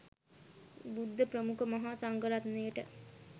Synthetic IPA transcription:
bud̪ʱːəpɾəmukəmaɦaːsaŋɡəlat̪nejəʈə

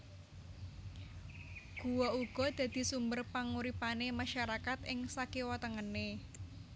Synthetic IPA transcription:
ɡ̥uwɔuɡ̥ɔ̤d̪̥ä̤d̪̥i̤sumbərpaŋuɾipanemaʃaɾakat̪ɪŋsakiwɔt̪əŋənːe

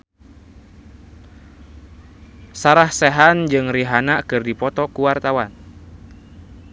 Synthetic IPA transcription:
saɾahsɛɦand͡ʒɨŋriɦanakɨrdipɔt̪ɔkuwart̪awan

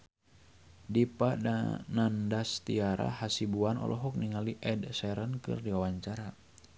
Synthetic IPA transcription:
dipada̰nandast̪iaɾa̰hasibuanɔ̰lʔɔɦɔk̚niŋaliʔɛdsɛɾənkɨ̰rdiwawaɲt͡ʃaɾa

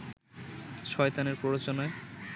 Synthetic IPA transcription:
ʃɔet̪aneɾpɾoɾot͡ɕonae

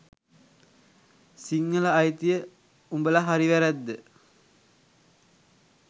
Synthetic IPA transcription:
siŋːəlaːjt̪ijə | umbəlaɦaɾiʋæɾæd̪ːə

